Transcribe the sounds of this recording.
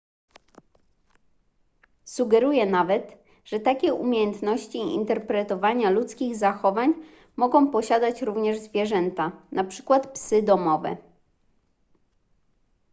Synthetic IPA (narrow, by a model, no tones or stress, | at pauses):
suɡɛɾujɛnavɛt̪ | ʐ̥ɛt̪akʲɛʔumʲejɛnt̪nɔɕt͡ɕiḭnt̪ɛɾpɾɛt̪ɔvaɲalut̪skʲiɣzaxɔvaɲ | mɔɡɔ̃w̃pɔɕad̪at͡ɕɾuvɲɛʐzvʲjɛʐɛnt̪anʔapʂɘ̥kwat̪psɘd̪ɔmɔvɛ̰